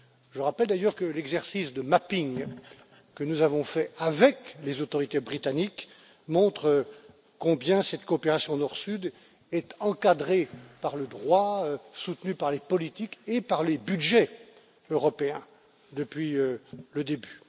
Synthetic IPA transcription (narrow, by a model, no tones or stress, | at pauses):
ʒəʁapɛld̪ajœʁkəlɛɡzɛʁsisd̪əmapiŋ | kənuzavɔ̃fɛavɛklezot̪ɔʁit̪ebʁit̪anik | mɔ̃t̪χə | kɔ̃bjɛ̃sɛt̪koːpeʁasjɔ̃nɔʁsyd̪ | ɛt̪ɑ̃kad̪ʁepaʁləd̪ʁwaøsut̪nypaʁlepɔlit̪ikepaʁlebyd̪ʒɛ | øʁɔpeɛ̃ | d̪əpɥiøləd̪eby